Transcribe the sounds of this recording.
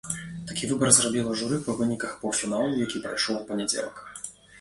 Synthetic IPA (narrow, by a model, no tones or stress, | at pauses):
t̪akʲivɨbɐrzrɔbʲilˠɐʐuɾɨpɐvɨnʲikɐxpɐwfʲinalˠujakʲipɾɐjʂɔwpɐnʲɛd͡zʲḛlˠɐ̰k